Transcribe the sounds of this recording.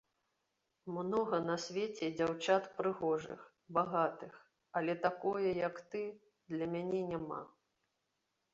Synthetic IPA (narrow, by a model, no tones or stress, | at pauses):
mnɔɣɐnɐsʲvʲet͡sʲɛd͡zʲawt͡ʂat̪pɾɨɣɔʐɨ̰x | baɣat̪ɨx | ɐlʲɛt̪akɔjɛjɐkt̪ɨ | d̪lʲɐmʲanʲɛnʲama̰